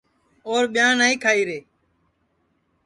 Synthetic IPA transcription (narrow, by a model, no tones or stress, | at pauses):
oːɾɓɪjãːnaːĩːkʰaːiːɾeː